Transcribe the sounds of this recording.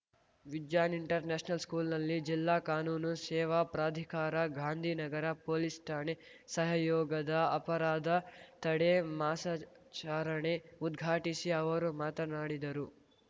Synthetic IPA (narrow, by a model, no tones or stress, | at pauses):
ʋid̪jaːniɳʈɐɾneːʂnɐlskuːlnɐlːid͡ʒilːaːkaːnuːnusɛːʋapɾaːd̪ʱikaːɾɐɡʱaːnd̪ʱiːnɐɡɐɾɐpoːlisʈaːnesɐɦɐjɔːɡɐd̪ɐɐpɐɾaːd̪ɐt̪ɐɽemaːsa | t͡ʃaːɾɐɳeud̪ɡʱaːʈisiɐʋɐɾumaːt̪ɐnaːɽid̪ɐɾu